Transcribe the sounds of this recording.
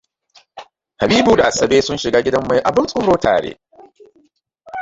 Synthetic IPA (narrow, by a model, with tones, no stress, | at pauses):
ha˨biː˦bu˨da˨sɐ˨beː˦sʊ˦nʃɪ˨ɡaː˦ɡʲɪ˦dɐ˦mːa˦jʔa˨bɪ˦nsʼʊ˦ɾoː˦tʰa̰ː˨ɽḛː˦